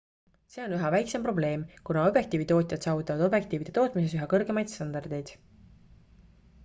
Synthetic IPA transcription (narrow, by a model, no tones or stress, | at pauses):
se̞ːo̞nyɦɑvæjkse̞mpro̞ble̞ːmkunɑo̞bje̞k̚t̪iːvit̪o̞ːt̪ʲˑjɑt̪sɑːvut̪ːˑɑvɑd̪o̞bje̞k̚t̪iːvid̪e̞t̪o̞ːt̪ˑmise̞s̬yɦɑkɤrɡe̞mɑjd̪̥st̪ɑnd̪ɑrd̪̥e̞jd̪̥